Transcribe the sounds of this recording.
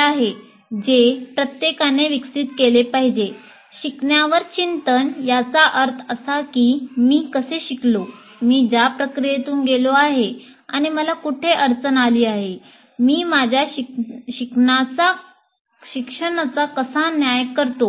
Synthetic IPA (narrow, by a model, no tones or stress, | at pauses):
aɦe | d͡ʑepɾət̪jekaneʋiksit̪kelepaɦid͡ʑe | ɕikɳjaʋəɾt͡ɕint̪ənjat͡saʔəɾt̪ʰəsakiːmiːkəseɕiklo | miːd͡zapɾəkɾijet̪uːnɡeloaɦe | a̰ɽ̃iməlakuʈʰeʔəɾt͡sənaliːaɦe | miːmad͡ʑʱjaɕikɳat͡sa | ɕikʂəɽ̃at͡sakəsãnjajəkːəɾt̪o